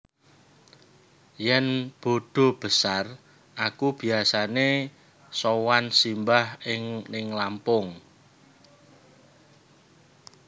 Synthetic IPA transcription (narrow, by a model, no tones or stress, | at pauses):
jɛnb̥o̤ɖ̥o̤b̥əsar | ʔakub̥i̤asane | sowansimbahɪŋnɪŋlampʊŋ